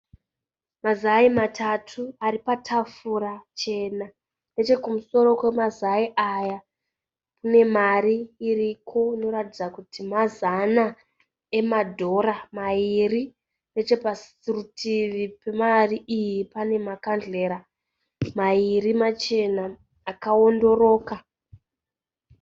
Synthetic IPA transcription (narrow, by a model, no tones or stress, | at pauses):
mazaimatʰatʰuaɾipatʰafurat͡ʃe̞na | ne̞t͡ʃe̞kumuso̞ɾo̞kwe̞mazaiʔaja | kune̞mariːrikʰo̞ino̞ɾatid͡zakutʰimazana | e̞madʱo̞ɾamairi | ne̞t͡ʃe̞pas | irutʰiʋipe̞mariʔijipane̞makand͡ɮe̞ːɾa | mairimat͡ʃe̞naː | kao̞ndo̞ro̞ːka